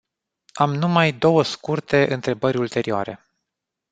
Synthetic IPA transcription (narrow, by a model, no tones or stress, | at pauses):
amnumajd̪o̞wəskurt̪e̞ʔɨnt̪ɾe̞bəɾʲult̪e̞ɾioa̰ɾe̞̰